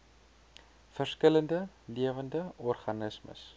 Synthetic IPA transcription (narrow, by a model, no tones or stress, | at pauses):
fərskələndə | liəvəndəɔrχɐnəsmə̰s